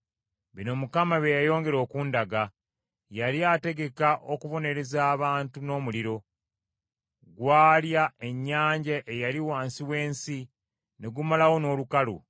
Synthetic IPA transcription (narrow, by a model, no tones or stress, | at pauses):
βino̞mukamaβejajo̞ːŋɡe̞ɾo̞ːkuːndaɡa | jaliate̞ɡe̞kaʔo̞kuvo̞ne̞ɾezaːβaːntuno̞ːmuliɾo̞ | ɡwaːljae̞ɲːaːɲɟaʔejaliwaːnsiwe̞ːnsi | ne̞ɡumalawo̞no̞ːlukalṵ